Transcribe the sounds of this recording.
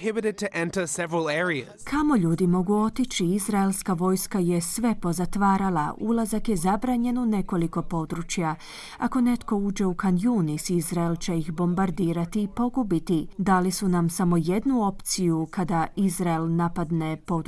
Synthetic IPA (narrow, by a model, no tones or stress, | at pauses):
hɪbɪɾɨd̚tʰɨʔɛ̃ntəsɛvɹəl̩ˠɛɹiə̰z̥kʰamo̞ʎuːd̪imo̞ɡuo̞t̪it͡ɕiizɾaelˠskaʋo̞ːjskaje̞sʋe̞po̞zat̪ʋaːɾala̰ulˠazakje̞zabɾaːɲe̞none̞ko̞liko̞po̞d̪ɾut͡ɕja | ako̞ne̞t̪ko̞uːd͡ʑe̞ukanjuːnisizɾaelt͡ɕe̞ixbo̞mbaɾd̪iːɾat̪iːpo̞ɡubit̪id̪aːlisunamsamo̞je̞d̪nuo̞pt̪sijukʰad̪aizɾaelˠnapad̪ne̞po̞d̪